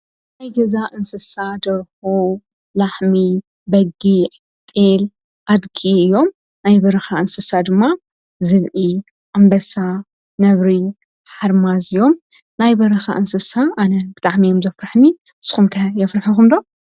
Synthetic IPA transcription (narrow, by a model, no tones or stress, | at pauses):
najɡɐzaʔɨnsɨsad̪ɐɾxu | laħmi | bɐɡi | t̪ʼel | ʔad̪kʰiɨjːo̞m | najbɐɾɐxaɨnsɨsad̪ɨmːa | zɨβʕi | ʔambɐsa | nɐβɾi | ħaɾmazɨjo̞m | najbɐɾɐxa̰ʔɨnsɨsaʔanɐbɨt̪ʼaʕmijomzɐfɾɨħni | ɨsxumkʰɐjɐfɾɨħɐxumd̪o